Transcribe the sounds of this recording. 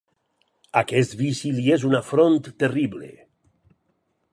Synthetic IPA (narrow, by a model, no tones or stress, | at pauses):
akɛst̪βisiliezunafɾont̪ːeriblḛ